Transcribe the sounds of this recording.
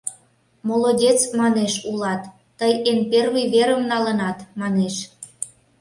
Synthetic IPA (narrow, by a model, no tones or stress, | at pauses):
molodʲet͡smɑneʃulɑt̪ː | əjenpervijβeɾəmnɑlənɑt̪mɑneʃ